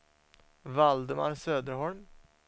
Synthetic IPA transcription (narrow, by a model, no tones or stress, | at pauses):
vald̪əma̰ɾsøːd̪əɾhɔɭm